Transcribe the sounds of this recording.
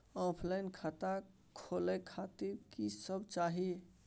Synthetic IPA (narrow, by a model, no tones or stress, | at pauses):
ɔpʰlajnkʰat̪a | kʰolɛkʰat̪iɾkisəbʱt͡ʃaɦi